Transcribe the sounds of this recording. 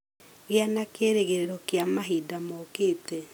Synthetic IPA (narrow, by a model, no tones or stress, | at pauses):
ɣjanakeɾeɣeɾeɾɔkjamaɦidamokete